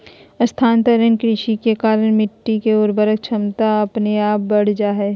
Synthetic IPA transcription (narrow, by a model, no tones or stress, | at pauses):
ɐst̪ʰaːnt̪ɐɾənkɾɪʃikekaːɾəɽ̃mɪʈːikeoɾbəɾək̚t͡ʃʰɐmt̪aɐpneaːp̚bɐɽ̤d͡ʒaːɦɛː